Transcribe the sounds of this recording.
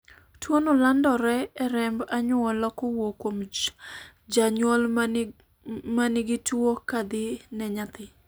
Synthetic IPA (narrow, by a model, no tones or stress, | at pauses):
twonolandɔɾɛɛɾɛmbaɲʊɔlɔkɔwokwom | d͡ʒaɲwɔl | manɪɡɪtuokad̪ɪnɛɲat̪ɪ